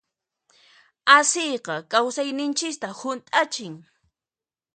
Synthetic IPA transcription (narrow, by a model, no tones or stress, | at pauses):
asɪjqɑkawsajnɪnt͡ʃɪkt̪ahʊnt̪ʼat͡ʃɪŋ